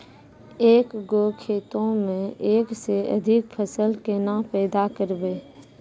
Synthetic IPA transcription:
eːkɡokʰeːt̪õmẽʔeːkseə̰d̪ʱɪk̚pʰəsəlkenãpɛːd̪akəɾbeː

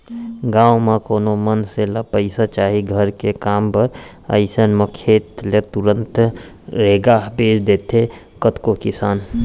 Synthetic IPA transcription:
ɡaːwmãkoːnomənselapəɪsat͡ʃaːɦiɡʱəɾkekaːmpəɾ | ə̰ɪsənməkʰeːt̪let̪uɾə̃nt̪ | ɾeːɡaːbeːt͡ʃd̪eːt̪e | kət̪kokɪsaːn

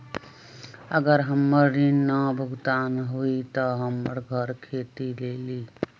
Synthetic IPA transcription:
əɡəɾɦəmːəɾːinːəbʱəɡt̪anɦuit̪əɦəmːəɾɡʱəɾkʰet̪ileli

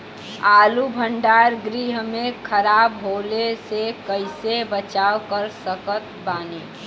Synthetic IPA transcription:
aːlubʱəɳɖaːɾɡɾiɦmẽkʰəɾaːbɦoːlesekəɪsebət͡ʃaːwkəɾsəkət̪̚baːneː

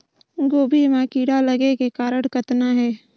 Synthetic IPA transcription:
ɡoːbʱimãkiːɽaləɡekekaːɾəɽkət̪naɦɛː

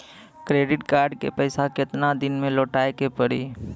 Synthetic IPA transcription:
kɾeːɖɪʈkaːɾɖkḛpɛɪsakɪt̪nad̪ɪnmẽloːʈaːekepəɽiː

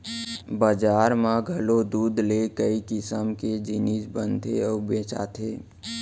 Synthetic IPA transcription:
bəd͡ʒaːɾmãɡʱəlod̪uːd̪lekəikɪsəmked͡ʒɪnisbə̃nd̪ʱʰeɔːbeːt͡ʃa̰ːt̪ʰeː

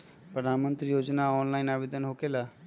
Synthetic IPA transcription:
pɾəd̪ʱanmənt̪ɾijod͡ʒnaɔnlajnabed̪ənɦokela

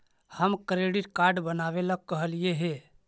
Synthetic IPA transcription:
həmkɾeɖiʈkaɾɖbənaβeləkːəɦəlijeɦe

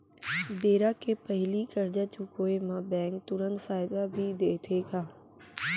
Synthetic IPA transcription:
beːɾaːkʰeːpəɦɪlikəɾd͡ʒat͡ʃukoːemãːbɛ̃ːŋk̚t̪ʊɾə̃nt̪faːɪd̪abʱid̪eːt̪ʰeːkʰaː

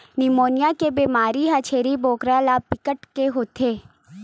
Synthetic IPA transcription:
nimoːnjakebiːmaːɾiɦat͡ʃʰeːɾiboːkɾalaːpɪkəʈkeɦoːt̪ʰeː

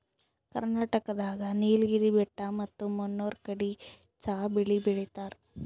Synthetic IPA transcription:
kɐ̰ɾnaːʈɐkɐd̪aːɡɐniːlɡiɾibɛʈːamɐt̪ːumunːoːɾkɐɽi | t͡ʃaːbiɭibiɭit̪aːɾ

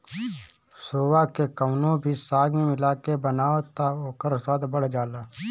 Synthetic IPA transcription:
soːwaːkekəmnõbʱiːsaːɡmimɪlaːkebənaːət̪aoːkəɾsaːd̪bəɽ̤d͡ʒaːlaː

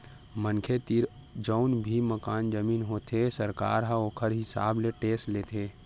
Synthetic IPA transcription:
mənkʰet̪iɾ | d͡ʒəʊnbʱiməkaːnd͡ʒəmiːnɦot̪ʰesəɾka̰ːɾɦãoːkʰəɾɦɪsa̰ːbleʈeːsʈleːt̪ʰe

